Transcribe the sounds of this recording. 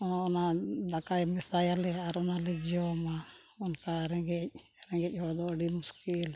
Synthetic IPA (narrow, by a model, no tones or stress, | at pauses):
ɔɔnad̪akajmɛsajalɛaɾɔnalɛd͡ʒiɔma | ɔnkaɾɛɡɛc̚ | ɾɛŋɡɛc̚ˀɦɔd̪ɔəɖimuskil